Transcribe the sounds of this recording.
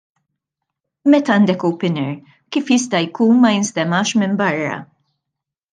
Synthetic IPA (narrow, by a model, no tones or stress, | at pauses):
mɛt̪ɐːnd̪ɛkowpɪnɛɾ | kiːfjɪst̪ɐjkuːnmɐjɪnst̪ɛmɐːʃmɪmbɐrːɐ̰